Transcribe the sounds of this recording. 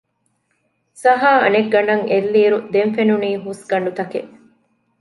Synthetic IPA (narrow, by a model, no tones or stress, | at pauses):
sɐɦaːɐ̰neɡːɐɳɐŋelːiːɾud̪emfenuniːɦusɡɐɳɖut̪ɐkeʔ